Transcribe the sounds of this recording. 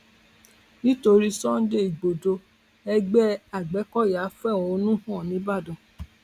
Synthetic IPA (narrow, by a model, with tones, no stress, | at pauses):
nĩ˦to˧ɾi˦sɔ̃˦n̩˦de˦i˨ɡ͡bo˨do˧ | ɛ˧ɡ͡bɛ˦a˨ɡ͡bɛ˨˦kɔ˦˨ja˨˦fɛ˦˨ɔ̃˨o˧˦nũ˦hɔ̃˦˨nĩ˨˦ba˦˨dɔ̃˨